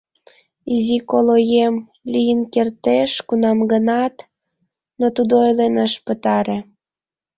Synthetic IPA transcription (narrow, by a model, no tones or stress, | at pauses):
izikolojem | lʲijənkert̪eʃkunɑmɡənɑt̪ | not̪ud̪oojlenəʃpə̆t̪ɑɾĕ